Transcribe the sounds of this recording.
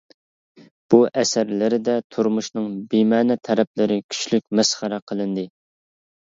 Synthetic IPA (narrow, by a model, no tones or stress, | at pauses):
b̥uʔɛsæɾlɪɾɪd̪ɛt̪ʰuɾmuʃnɨŋbimɛːnɛt̪ʰːɛɾɛp̚lɪɾɪkʲʰy̥t͡ʃlykʲmɛsχəɾɛqʰəlˠɨnd̪ɨ